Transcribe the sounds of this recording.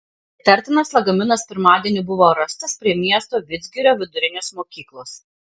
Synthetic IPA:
t̪ʲɐɾʲt̪ʲɪnɐslˠɐɡɐmʲɪnɐspʲɪɾmɑːd̪ʲiɛnʲɪbʊʋoːɾɐst̪ɐspʲɾʲiɛmʲiɛst̪oːʋʲɪd̪zʲɡʲɪɾʲoːʋʲɪd̪ʊɾʲɪnʲeːsmoːkʲiːklˠoːs

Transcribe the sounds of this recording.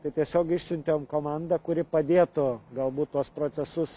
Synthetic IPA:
t̪ɐɪt̪ʲiɛsʲoːkɪʃʲsʲʊnʲt̪ʲeoːmkoːmɐnd̪ɐkʊɾʲɪpɐd̪ʲeːt̪ʊɡɐlˠbuːt̪̚t̪ːuɔspɾoːt̪sʲɛsʊs

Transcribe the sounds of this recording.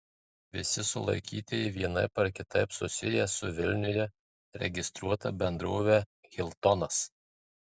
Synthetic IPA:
ʋʲɪsʲɪsʊlˠɐ̰ɪkʲiːt̪ʲɪʋʲiɛnɐɪpɐɾkʲɪt̪ɐɪpsʊsʲɪjɛsʊʋʲɪlʲnʲʊjʲɛ | ɾʲɛ̰ɡʲɪst̪ɾuɔt̪ɐ̰bʲɛnd̪ɾoːʋʲɛɣʲɪlʲˠt̪ɔnɐs

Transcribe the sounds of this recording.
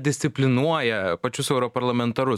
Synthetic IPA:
d̪ʲɪsʲt̪sʲɪpʲlʲɪnuɔjɛpɐt͡ʃʲʊsɛʊɾɔpɐɾlˠɐmʲɛnt̪ɐɾʊ

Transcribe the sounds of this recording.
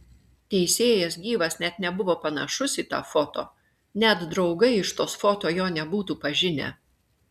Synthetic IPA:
t̪ʲɛɪsʲeːjɛsɡʲiːʋɐsnʲɛt̪nʲɛbʊʋoːpɐnɐ̰ʃʊsʲit̪ɑ̰ːfot̪o̰ː | nʲɛt̪d̪ɾɒʊɡɐɪɪʃt̪oːsfot̪oːjoːnʲɛbuːt̪uːpɐʒʲɪnʲɛ̰

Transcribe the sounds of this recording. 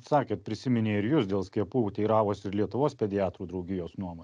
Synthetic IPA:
sɑːkʲeːt̪̚pʲɾʲɪsʲɪmʲɪnʲeːɪɾjʊsd̪ʲeːlˠsʲkʲiɛpuːt̪ʲɛɪɾɑːʋoːsɪɾlʲiɛt̪ʊʋoːspʲɛd̪ʲɪɑːt̪ɾuːd̪ɾɒʊɡʲɪjoːsnuɔmoː

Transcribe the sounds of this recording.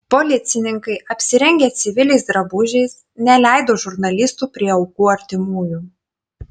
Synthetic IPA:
pɔlʲɪt̪sʲɪnʲɪŋkɐɪʔɐpʲsʲɪɾʲɛŋʲɡʲeːt̪sʲɪʋʲɪlʲɛɪsd̪ɾɐbʊʒʲɛɪs | nʲɛlʲæˑɪd̪oːʒʊɾnɐlʲɪst̪uːpʲɾʲiɛɒʊkuːɐɾʲt̪ʲɪmuːju

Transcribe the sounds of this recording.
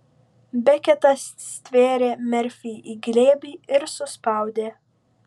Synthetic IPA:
bʲɛkʲɛt̪ɐsːʲt̪ʲʋʲeːɾʲeːmʲɛɾʲfʲiːʔiːɡlʲeːbʲiːɪɾsʊspɑˑʊd̪ʲeː

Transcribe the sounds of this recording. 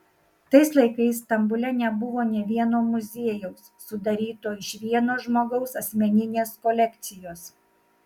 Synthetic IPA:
t̪ɐɪslˠɐɪkɐɪs̬ːt̪ɐmbʊlʲɛnʲɛbʊʋoːnʲɛʋʲiɛnoːmʊzʲeːjɛʊsːʊd̪ɐɾʲiːt̪oːɪʃʋʲiɛnoːʒmoːɡɐʊsɐsʲmʲɛnʲɪnʲeːskɔlʲɛkʲt̪sʲɪjoːs

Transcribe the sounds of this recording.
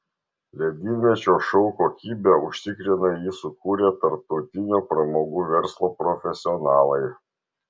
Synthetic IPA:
lʲɛd̪ʲiːmʲɛt͡ʃʲoːʃɔʊkoːkʲiːbʲɛʊʃʲt̪ʲɪkɾʲɪnɐjiːsʊkuːɾʲet̪ɐɾp̚t̪ɔʊt̪ʲɪnʲoːpɾɐmoːɡuːʋʲɛɾslˠoːpɾɔfʲɛsʲɪɔnɑːlˠɐɪ

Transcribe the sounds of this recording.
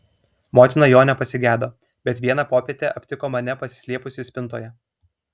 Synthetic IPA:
moːt̪ʲɪnɐjoːnʲɛpɐsʲɪɡʲæːd̪oː | bʲɛt̪ʋʲiɛnɑpoːpʲeɛt̪ʲeɐpʲt̪ʲɪkoːmɐnʲɛpɐsʲɪ̥sʲlʲiɛpʊsʲɪsʲpʲɪnt̪oːjɛ

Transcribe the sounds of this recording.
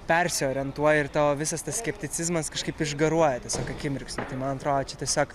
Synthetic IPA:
pʲɛɾʲsʲɪoːɾʲɛnt̪uɔjɛɪrt̪ɑːoːʋʲɪsɐst̪ɐssʲkʲɛpʲt̪ʲɪt͡s̪ʲɪzmɐskɐʃkɐɪpɪʒɡɐɾuɔjɛt̪ʲɛsʲoːkɐkʲɪmʲɾʲɪksnɐt̪ɐɪmɐnɐt̪ɾoːd̪oːt͡ʃʲɛt̪ʲiɛsʲoːk

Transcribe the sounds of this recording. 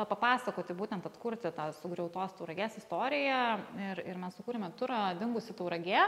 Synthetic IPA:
ɐpɐpɑːsɐkoːt̪ʲɪbuːt̪ʲɛnt̪ɐt̪kʊɾʲt̪ʲɪt̪ɑːsʊɡɾʲɛʊt̪oːst̪ɐʊɾɐɡʲeːsɪst̪oːɾʲɪjɛɪɾɪɾmʲɛssʊkuːɾʲɛmʲɛt̪ʊɾɑd̪ʲɪŋɡʊsʲɪt̪ɐʊɾɐɡʲeː

